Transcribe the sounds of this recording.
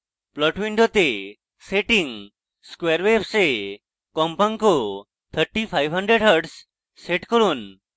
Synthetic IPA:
plɔʈʋiɳɖot̪e | seʈiŋ | skweɾʋebse | kɔmpaŋko | t̪ʰəɾʈipʰajbʱɦəɳɖɾeɖɦəɾɖsː | eʈkɔɾun

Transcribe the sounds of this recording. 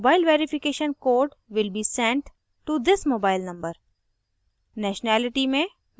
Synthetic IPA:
baːɪlʋeːɾɪfɪkeːʃə̃nkoːɾɖʋɪlbiːsɛ̃ɳʈ | ʈud̪ɪsmoːbaɪlnɐ̃mbəɾ | nɛːʃnæːlɪʈimẽ

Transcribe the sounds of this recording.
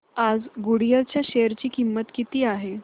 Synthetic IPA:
ad͡zɡuɽijəlt͡ɕjaɕejəɾt͡ɕiːkimːət̪kit̪iːaɦe

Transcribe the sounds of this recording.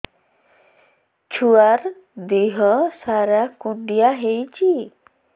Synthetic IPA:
t͡ʃʰuaɾ | d̪iɦɔsaɾakuɳɖijaɦejt͡ʃi

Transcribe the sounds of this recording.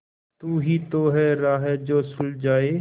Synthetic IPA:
t̪uːɦiːt̪oːɦɛːɾaːɦɛd͡ʒoːsʊld͡ʒaːeː

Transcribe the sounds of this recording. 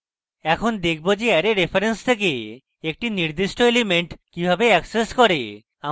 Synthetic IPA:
ɛkʰond̪ekʰbod͡ʑeɛɾeɾepʰaɾenst̪ʰek̬e | ek̚ʈiniɾd̪iʃʈoelemeɳʈkibʱabeɛkseskɔɾe | a

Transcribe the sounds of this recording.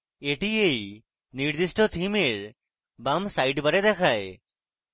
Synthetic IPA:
eʈiej | niɾd̪isʈʰɔt̪ʰimeɾ | bamsajɖbaɾed̪ɛkʰae

